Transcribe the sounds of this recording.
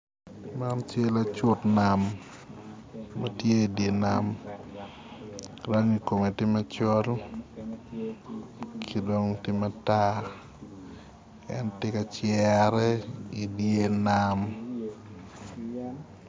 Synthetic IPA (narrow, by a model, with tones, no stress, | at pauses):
ma˦nt͡ʃje˦la˦t͡ʃʊ˦tna˨m | a˦tje˦i˨dje˨na˦m | ɾa˦ŋi˨ko˨me˨tɪ˦mɐ˦t͡ʃɔ˦l | kʰi˦do˦ŋtɪ˦ma˦ta˦ | ɛ̰˦ntɪ˦ka˦t͡ʃjɛ˦ɾɛ˦i˨dje˦na˦m